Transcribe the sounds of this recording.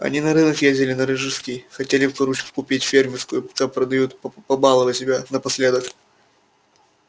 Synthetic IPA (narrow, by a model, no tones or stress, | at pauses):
ɐ̰nʲinɐɾɨnəkjezʲdʲɪlʲɪnɐɾɨʐɨskʲijxɐtʲelʲɪfpɐɾut͡ɕkʊ̥kʊpʲitʲfʲermʲɪrskʊjʊpt̪apɾəd̪ɐjut̪pɐbalˠəvɨsʲɪbʲanəpɐsʲlʲed̪ək